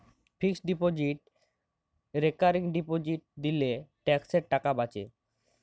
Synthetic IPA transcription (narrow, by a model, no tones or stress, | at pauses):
fʰiksɖipod͡ʑiʈ̚ | ɾekaɾiŋɖipod͡ʑiʈ̚d̪ileʈɛkseɾʈakabat͡ɕḛ